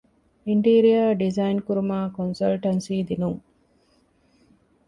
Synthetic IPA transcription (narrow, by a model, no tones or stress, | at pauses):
iɳʈiːɾijaːɖizainkuɾumaːkonsɐlʈɐnsiːd̪inuŋ